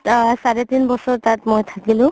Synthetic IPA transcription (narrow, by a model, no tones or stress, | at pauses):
saɹet̪inbɔsɔɹt̪atmojt̪ʰakilʊ̃